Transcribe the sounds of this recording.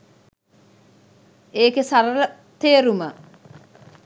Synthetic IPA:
eːkesaɾələ | t̪eːɾumə

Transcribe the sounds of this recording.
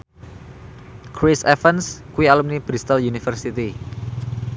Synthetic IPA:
kɾisɛfənskuwialumnib̥ɾist̪əljunifərsit̪i

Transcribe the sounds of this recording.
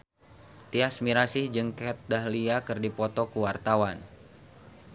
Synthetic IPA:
t̪iasmiɾasɪhd͡ʒɨŋkɛt̪̚daɦliakɨrdipɔt̪ɔkuwart̪awan

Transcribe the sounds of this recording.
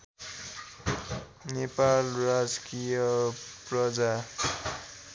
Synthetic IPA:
nepalrad͡zkijʌprʌd͡za

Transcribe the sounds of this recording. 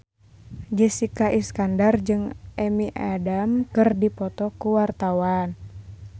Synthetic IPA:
d͡ʒəsikaʔiskandard͡ʒɨŋɛmiʔadamkɨrdipɔt̪ɔkuwart̪awan

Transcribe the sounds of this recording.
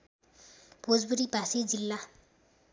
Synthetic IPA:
b̥ʱod͡zbuɾibʱasid͡zilːa

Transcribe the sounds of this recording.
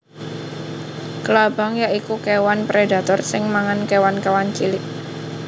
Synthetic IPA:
kəlabɔ̤ŋjaʔikukewanpɾeda̤t̪ɔrsɪŋmaŋankewankewant͡ʃilɪʔ

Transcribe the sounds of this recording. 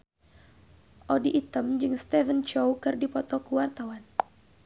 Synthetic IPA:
ʔɔdiʔːt̪əmd͡ʒɨŋst̪ɛvənt͡ʃowkɨrdipɔt̪ɔkuwart̪awan

